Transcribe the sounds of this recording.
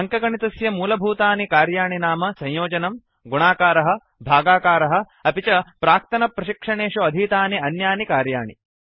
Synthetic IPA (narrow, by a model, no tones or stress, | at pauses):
ɐŋkɐɡɐɳit̪ɐsjɐmuːlɐbʱuːt̪aːnikaːɾjaːɳinaːmɐsɐ̃ɲjoːd͡ʒɐnɐm | ɡuɳaːkaːɾɐɦɐ̆ | bʱaːɡaːkaːɾɐɦɐ̆ | ɐpit͡ʃɐpɾaːk̚t̪ɐnɐpɾɐʃikʂɐɳeːʂuɐd̪ʱiːt̪aːniɐnjaːnikaːɾjaːɳḭ